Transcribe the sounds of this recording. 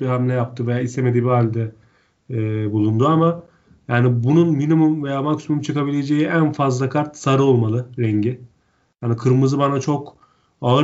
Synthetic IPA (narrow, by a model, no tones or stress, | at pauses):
biɦamlʲɛjap̚t̪ʰɯvejaːist̪eme̞d̪ibiɦalʲd̪ɛː | bulˠund̪uama | jaːnibununminimumvejaːmakʰysmumt͡ʃʰɯkʰabilʲe̞d͡ʒejiʔænfazlˠakʰaɾt̪saɾɯo̞lˠmalˠɯɾɛɲɟɪ | hanikʰɯɾmɯzɯbanat͡ʃʰo̞k | alˠa